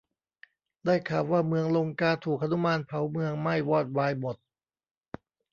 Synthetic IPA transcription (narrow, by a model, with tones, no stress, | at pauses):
daː˥˩jkʰaː˨˩wwaː˥˩mɯ˧əŋlo˧ŋkaː˧t̪ʰuː˨˩k̚ʔa˧nu˦˥maː˧npʰa˩˦wmɯ˧əŋma˥˩jwɔː˥˩t̪̚waː˧jmo˨˩t̪̚